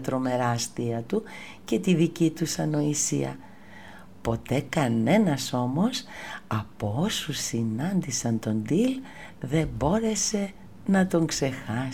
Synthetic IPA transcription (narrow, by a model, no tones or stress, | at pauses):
t̪ɾo̞me̞ɾɐst̪iɐt̪u | ce̞t̪iðicit̪usɐno̞isiɐ̰ | po̞t̪e̞kɐne̞nɐso̞mo̞sɐpoosusinɐnd̪isɐnt̪o̞nd̪il | ðe̞mbo̞ɾe̞se̞ | nɐt̪o̞ŋkse̞xɐ